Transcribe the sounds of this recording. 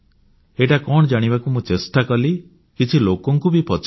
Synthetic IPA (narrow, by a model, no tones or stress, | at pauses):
eʈakɔɽ̃ɔd͡ʒaɽ̃ibakumũt͡ʃesʈakɔli | kit͡ʃʰilokɔŋkubipɔt͡ʃ